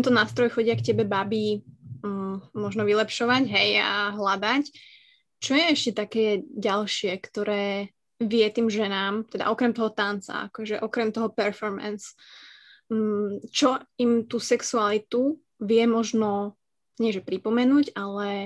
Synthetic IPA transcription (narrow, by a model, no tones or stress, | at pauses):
t̪ɛnt̪ɔnaːst̪ɾɔjxɔɟɪakcɛbɛbabi | mɔʒnɔʋilɛpʃɔʋaɟɦɛja̰ɦlad̪ac | t͡ʃɔjɛɛʃcɛt̪akɛːɟalʃɪɛkt̪ɔɾɛː | ʋɪɛt̪iːmʒɛnaːmt̪ɛd̪aʔɔkɾɛmt̪ɔɦɔt̪ant͡sa̰a̰kɔʒɛʔɔkɾɛmt̪ɔɦɔpɛɾfɔɾmɛ̰ns | t͡ʃɔimt̪usɛksualit̪u | ʋɪɛmɔʒnɔ | ɲɪɛʒɛpɾipɔmɛnuːɟalɛ